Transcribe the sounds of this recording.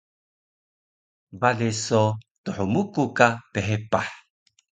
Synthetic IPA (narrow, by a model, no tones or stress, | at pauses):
balesot̪uħumukukapeɦepaħ